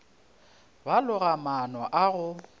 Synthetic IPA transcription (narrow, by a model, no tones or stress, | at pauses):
balʊɣamanɔʔaɣʊ